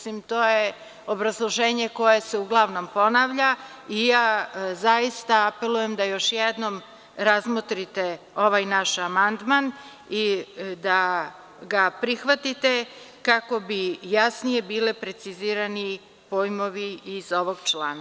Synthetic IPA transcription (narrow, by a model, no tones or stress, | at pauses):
simt̪o̞ːje | o̞bɾazlˠoʒe̞ːɲe̞ko̞je̞seuɡlˠaʋno̞mpo̞naʋʎa | ijaːzajist̪aape̞lˠuje̞md̪ajo̞ʃjed̪no̞m | ɾazmot̪ɾit̪e | o̞ʋajnaʃamand̪man | id̪a | ɡapɾixʋat̪it̪e̞ | kako̞bijasnije̞biːlepɾe̞t̪siziːɾani | poːjmo̞ʋiizoʋo̞ɡt͡ʃlaːna